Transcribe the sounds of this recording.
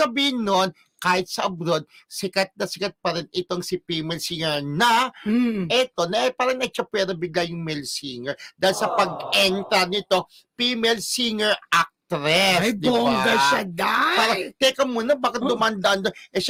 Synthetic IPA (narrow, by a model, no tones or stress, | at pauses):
sɐbiːhɪnːon | kaːhɪt̪̚sɐʔɐbɾod̪̚ | sɪkɐt̪̚nɐsɪkɐt̪̚pɐɾɪnɪt̪o̞ŋsɪpiːmɛlsiŋɛɹnɐ | ʔɛt̪o̞nɐʔpaːɾɐŋnɐʃɐpwɛːd̪ɐbɪɡlajʊŋmɛlsiːŋɛɹd̪aːhɪlsɐpɐɡ̚ɛnt̪ɐnɪt̪o̞ | pimɛlsiŋɛɹak̚t̪ɾɛsjb̪d̪oŋd̪ɐʃɐd̪apaːɾɐt̪ɛkɐnmuːnɐbaːkɐt̪̚d̪ʊmaɐnd̪ɐʔand̪onʔɛʃ